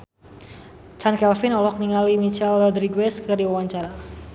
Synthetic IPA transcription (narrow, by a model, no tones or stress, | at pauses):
t͡ʃankɛlfɪnɔlɔk̚niŋalimit͡ʃɛlːɔd̪ɾiɡwɛskərdiwawaɲt͡ʃaɾa